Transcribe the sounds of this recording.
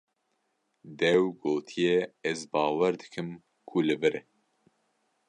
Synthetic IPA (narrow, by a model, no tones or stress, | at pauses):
d̪ɛwɡoːt̪ʰijɛɛzbɑːwɛɾd̪ɨ̥kʰɨm | kʰulɨvɨɾɛ